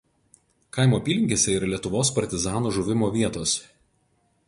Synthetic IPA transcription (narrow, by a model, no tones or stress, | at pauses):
kɐˑɪmoːpʲiːlʲɪŋʲɡʲeːsʲɛiːˑɾɐlʲiɛt̪ʊʋoːspɐɾʲt̪ʲɪzɑːnuːʒʊʋʲɪmoːʋʲiɛt̪oːs